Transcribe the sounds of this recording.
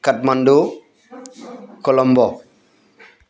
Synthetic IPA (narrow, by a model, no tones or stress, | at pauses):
kat̚mando | kɔlɔmbɔ